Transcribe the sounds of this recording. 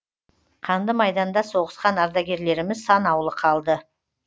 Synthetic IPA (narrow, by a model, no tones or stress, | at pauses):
qʰɑnd̪əmɑjd̪ɑnd̪ɑso̞ʁəsqɑnɑɾd̪ɑɡʲe̞ɾle̞ɾɪmɪzsɑnɑwlˠəqʰɑlˠd̪ə